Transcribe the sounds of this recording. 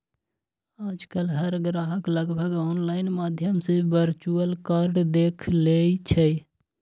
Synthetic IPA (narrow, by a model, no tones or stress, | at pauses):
aːd͡ʒkəlɦəɾɡɾaːɦəkləɡbʱəɡoːnlaːɪnmaːd̪ʱjəmsẽʋəɾt͡ʃuəlkaːɾɖd̪eːkʰleit͡ʃʰə